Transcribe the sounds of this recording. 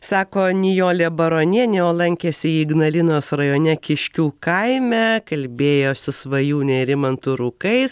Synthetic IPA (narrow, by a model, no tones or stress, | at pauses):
sɑːkoːnʲɪjoːlʲeːbɐɾoːnʲiɛnʲɛoːlˠɐŋʲkʲeːsʲɪiːɡnɐlʲɪnoːsɾɐjoːnʲɛkʲɪʃʲkʲuːkɐɪmʲɛkɐlʲbʲeːjoːsʲʊsʋɐjuːnʲɛɾʲɪmɐnt̪ʊɾʊkɐɪs